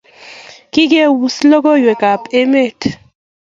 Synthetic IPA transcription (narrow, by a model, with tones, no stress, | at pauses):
ki˦k̬e˦wu˨slɔ˦kɔ˦jwe˨ka˨pe˦me˦˨tʰ